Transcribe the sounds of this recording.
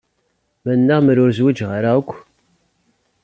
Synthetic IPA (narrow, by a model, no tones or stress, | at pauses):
mænːəʁmɾʊɾzwid͡ʒʁaɾaəkʷː